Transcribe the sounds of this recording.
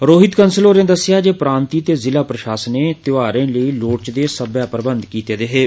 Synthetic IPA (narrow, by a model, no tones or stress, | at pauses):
ɾoːɦɪt̪kənsəloːɾẽːd̪əsːjaːd͡ʒeːpɾãːnt̪iːt̪eːzɪlaːpɾəʃaːsəneːt̪ɪʋaːɾẽːləiːloːʈt͡ʃd̪eːsəbjaːpɾəbə̃nd̪kiːt̪eːd̪eɦeː